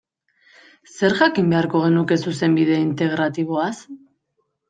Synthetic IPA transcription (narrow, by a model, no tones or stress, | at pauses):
se̞ɾʝakimbe̞aɾko̞ɣ̞e̞nuke̞suse̞mbið̞e̞int̪e̞ɣ̞ɾat̪iβo̞as